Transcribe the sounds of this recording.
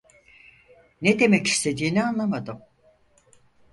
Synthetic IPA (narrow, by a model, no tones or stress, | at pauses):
ned̪e̞mɛci̥st̪ʰe̞d̪iːnianlˠamad̪ɯm